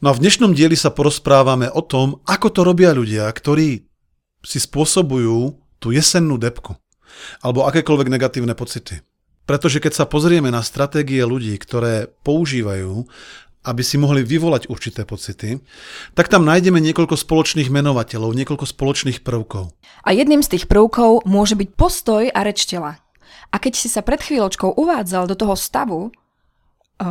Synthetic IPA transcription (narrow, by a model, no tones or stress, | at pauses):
nɔavd̪ɲɛʃnɔmɟɪɛlisapɔɾɔspɾaːʋamɛʔɔt̪ɔmʔakɔt̪ɔɾɔbɪaʎuɟɪakt̪ɔɾiː | sispʊɔsɔbujuː | t̪uːjɛsɛnːuːd̪ɛpku | alɛbɔakɛːkɔlʋɛɡnɛɡat̪iːʊnɛpɔt͡sit̪i | pɾɛt̪ɔʒɛkɛcsapɔzɾɪɛmɛnast̪ɾat̪ɛːɡiɛluɟiːkt̪ɔɾɛːpɔuʒiːʋajuː | abisimɔɦliʋiʋɔlaɟuɾt͡ʃit̪ɛːpɔt͡sit̪it̪akt̪amnaːjɟɛmɛɲɪɛkɔʎkɔspɔlɔt͡ʃniːɣmɛnɔʋacɛʎɔʊɲɪɛkɔʎkɔspɔlɔt͡ʃniːxpr̩ʊkɔʊ | ʔajɛd̪niːmst̪iːxpr̩ʊkɔʊmʊɔʒɛbic̚pɔst̪ɔjaɾɛt͡ʃcɛla | ʔakɛcsisapɾɛt̪xʋiːlɔt͡ʃkɔʊʔuʋaːd͡zald̪ɔt̪ɔɦɔst̪aʋu